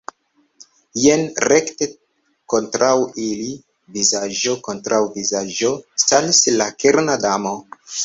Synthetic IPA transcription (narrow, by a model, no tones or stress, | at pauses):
jenɾekte | kontɾʔawili | vizad͡ʒo̞kontɾawvizad͡ʒo̞stalislakeɾnadamo